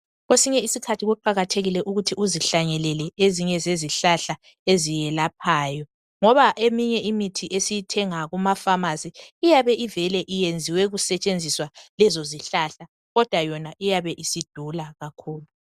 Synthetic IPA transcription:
ɣwesiɲɛisikʰatʰiɣuǃaɣatʰeɣilɛʔuɣutʰiʔuziɬaɲɛlɛlɛeziɲɛzeziɬaɬa | ezijɛlapʰaːjɔ | ŋɔβaʔemiɲɛʔimitʰiʔesijitʰɛŋaɣumafamaziːjaβɛʔivɛlɛʔijend͡zʱiwɛɣusɛt͡ʃʼend͡zʱiswalɛzoziɬaɬa | ɣɔd̥ʱwajɔnaʔijaβɛʔisid̥ʱulaɣakʰuːlu

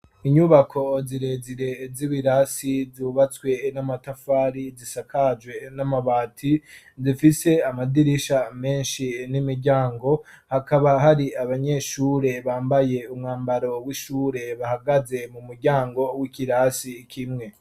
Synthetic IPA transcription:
iɲuβakʰo̞ziɾeziɾe̞ziβiɾasizuβat͡swe̞namatafaːɾizisakʰad͡ʒɡwe̞namaβaːtʰi | zifise̞amadiɾiʃame̞ːnʃinimiɾɟaːŋɡo̞ | hakaβaɦaɾiaβaɲe̞ʃuːɾe̞βaːmbaje̞umŋaːmbaɾo̞wiʃuɾe̞βahaɡaze̞mumuɾɟaːŋɡo̞wikiɾasikʰimŋe̞

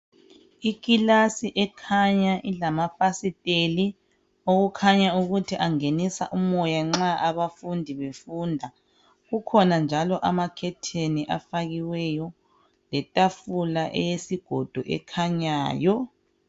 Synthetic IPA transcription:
ikʼilasiʔɛkʰaɲaʔilamafasitʼeli | oɣukʰaɲauɣutʰiʔaŋenisa̰ʔumɔjaŋ͡ǁaʔaβafundʱiβefuːndʱa | ɣukʰɔnand͡ʒʱalɔʔamakʰɛtʰeniʔafaɣiwɛjɔ | lɛtʼafulaʔɛ̰jesiɡ̥ʱɔd̥ʱɔʔɛ̰kʰaɲaːjɔ

